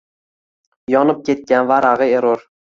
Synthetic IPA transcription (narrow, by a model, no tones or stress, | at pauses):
jɒnɪp̚kʲʰe̞t̪̚kʲanvaɾaʁɨeɾoɾ